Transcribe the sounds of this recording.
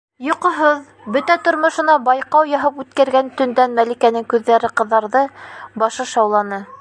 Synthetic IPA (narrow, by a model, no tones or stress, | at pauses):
jŏqŏɦɤð | bɵt̪æt̪ŏɾmŏʃɤ̆nɑbɑjqɑwjɑɦɤpʉt̪kæɾɡænt̪ɵ̆nd̪ænmælikænɘŋkʉðːæɾɘqɤ̆ðːɑɾðɤbɑʃɤʃɑwlˠɑnɤ